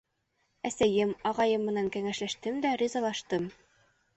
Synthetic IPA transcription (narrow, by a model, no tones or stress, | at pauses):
æsæjɘmɒʁɑjɤmːɤ̆næŋkæŋæʃlæʃt̪ɘmd̪ærʲizɑlˠɑʃt̪ɤm